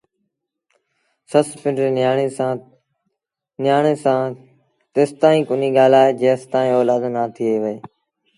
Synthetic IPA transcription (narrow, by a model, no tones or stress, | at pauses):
səspɪ̃ɳɖɾeːaeãː | nɪjaːɳeːsãː | t̪eːst̪ãːĩːkʊniːɡaːlaːɦeːd͡ʒeːst̪aːĩːoːlaːd̪naːt̪ʰieːʋəeː